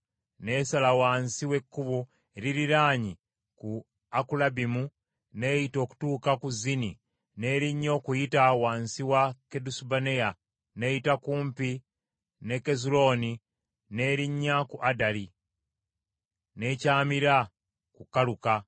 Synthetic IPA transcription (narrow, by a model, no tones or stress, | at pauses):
ne̞ːsalawaːnsiwe̞kːuβu | eɾiɾiɾaːɲi | ku | akulabimu | ne̞ːjito̞ːku̥tuːkakuzini | ne̞ɾiɲːo̞ːkujitawaːnsiwake̞dusubaneja | ne̞jitakuːmpi | ne̞ke̞zulo̞ni | ne̞ːɾiɲːakuʔadali | ne̞caːmiɾa | kukaluka